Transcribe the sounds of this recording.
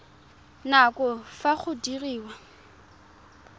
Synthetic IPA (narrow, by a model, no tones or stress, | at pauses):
nakɔfaχʊdiriːwa